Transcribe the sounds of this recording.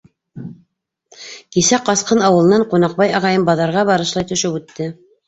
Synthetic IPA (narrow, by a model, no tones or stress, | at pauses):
kisæqɑsqɤnɑwɤ̆lˠɤ̆nɑɴqunɑq̚bɑjɑʁɑjɤmbɑðɑɾʁɑβɑɾɤ̆ʃlˠɑjt̪ɵ̆ʃɘpʉt̪ːɘ